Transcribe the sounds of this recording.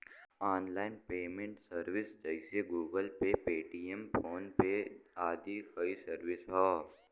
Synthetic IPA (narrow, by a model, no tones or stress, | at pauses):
aːnlaːɪnpeːmẽɳʈsəɾʋɪsd͡ʒəɪseɡuːɡəlpepeːʈiːempʰoːnpeaːd̪ʱikəisəɾʋɪsɦɔː